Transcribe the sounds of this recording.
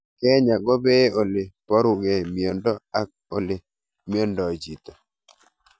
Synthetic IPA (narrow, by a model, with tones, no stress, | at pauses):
kɛ˦ɲa˨ɡɔ˦be˦o˨lɪ˨pɔ˦ɾʊ˨ɡɛ˨mi˨o˨ndɔ˦a˦k̚ | o̰˨le˨ | mi˦o˦ndɔ˨d͡ʒi˨t̪ɔ˨